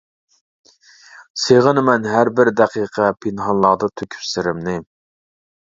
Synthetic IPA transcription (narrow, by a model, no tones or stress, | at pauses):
seʁənmɛnɦæɾbɪɾd̪ɛqʰiːqʰɛpʰɪnɦɑnlˠɑʁd̪ɨt̪ʰøkʲʰy̥psɪɾɪmnɪ